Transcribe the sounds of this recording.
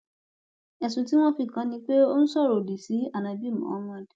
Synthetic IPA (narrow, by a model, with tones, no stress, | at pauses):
ɛ˨sũ˨ti˦w̃ɔ̃˦fi˧kã˨˦nĩ˧k͡pe˦o˦nũ˦sɔ˦˨ɾo˨di˨si˨˦a˦˨nã˨bi˦mã̰˨˦mã˦˨d